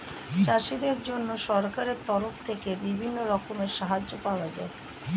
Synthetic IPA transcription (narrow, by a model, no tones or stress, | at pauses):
t͡ɕaʃid̪eɾd͡ʑonːoʃɔɾkaɾeɾt̪ɔɾoft̪ʰekebibʱinːoɾɔkomeɾʃaɦad͡ʑːopaoad͡ʑa̰e